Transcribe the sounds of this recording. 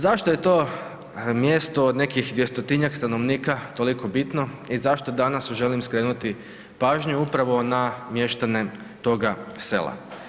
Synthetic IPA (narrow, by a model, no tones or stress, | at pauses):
zaʃt̪o̞je̞t̪o̞ | mjest̪oːd̪ne̞kixd̪ʋjest̪ot̪iɲakst̪ano̞ʋniːkat̪o̞liko̞bit̪no̞izaʃt̪o̞d̪anasuʒe̞limskɾe̞ːnut̪i | paːʒɲuupɾaʋo̞namje̞ʃt̪ane | t̪o̞ɡase̞̰lˠa̰